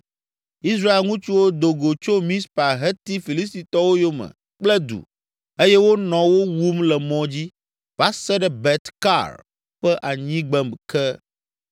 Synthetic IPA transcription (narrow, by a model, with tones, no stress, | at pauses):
i˦s̬ɾa˦e˨lŋũ˦t͡ʃu˦wo˦d̪o˨ɡo˨t͡ʃo˦mĩ˦spa˨ɦɛ˦t̪i˦fi˨li˦s̬t̪i˨t̪ɔ˦wo˦jo˦mɛ̰̃˨ | k͡plɛ˦d̪ṵ˨ | e˦jɛ˦wo˦nɔ̃˨wo˦wu˦mlɛ˨mɔ̃˨d͡ʑi˦ | v̥a˨˦sɛ˦ɖɛ˦bɛ˨t̪ka̰˦˨ɾ | ɸɛ˦ʔa˨ɲĩ˦ɡ͡bɛ˨mkɛ˦